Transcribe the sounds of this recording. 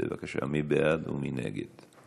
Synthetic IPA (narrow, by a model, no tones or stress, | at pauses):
evakaʃamibejad̪uminḛɡed̪